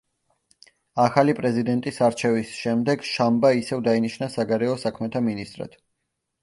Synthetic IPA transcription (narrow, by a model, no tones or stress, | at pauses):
aχalipʼɾɛzid̪ɛnt̪ʼisaɾt͡ʃʰɛvisʃɛmd̪ɛɡʃambaisɛvd̪ainiʃnasaɡaɾɛɔsakʰmɛt̪ʰaminist̪ʼɾa̰d̪̥